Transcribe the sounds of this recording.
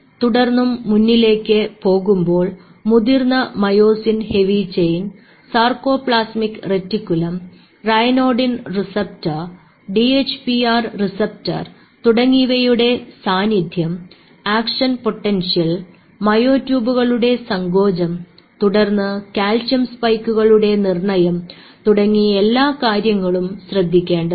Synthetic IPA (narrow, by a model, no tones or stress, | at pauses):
t̪uɽɐrnːumːunːile̞ːkːɨpo̞ːɣumbo̞ːɭ | muðirnɐmɐjo̞ːsinhe̞ʋit͡ɕejn | sarko̞ːpɭaːsmikːretːikʲːulɐm | rɐjnoːɖinrisɐp̚tɐ | ɖiet͡ɕːpiaːrrisɐp̚tɐ̰r | t̪uɽɐŋːiʋɐjuɽe̞saːnid̪ʱjɐm | aːkʂɐnpo̞ʈːenʂijɐl | mɐjo̞ːtːjuːbuɣɐɭuɽe̞sɐŋɡo̞ːd͡ʑɐm | t̪uɽɐrnːɨkaːlt͡ɕɐmspɐjkːuɣɐɭuɽe̞nirɳɐjɐmt̪uɽɐŋːielːaːkaːɾjɐŋːɐɭumɕrɐd̪ʱːikʲːeːɳɖɨ